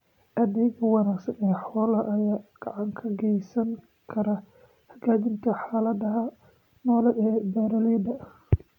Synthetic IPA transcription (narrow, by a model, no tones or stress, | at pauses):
ʔɐðɛjɡɐwɑnaːɡsɐnɛːħɔːlɐʔɐjaːɡ̥ɑʕɑŋkʰɐɡɛjsɐŋ | kʰɐɾɐ | hɐɡaːdɪnt̪ʰɐħaːlɐd̪ɐɦɐ | nɔːlɛɛːbɐɾɐlɛd̪ɐ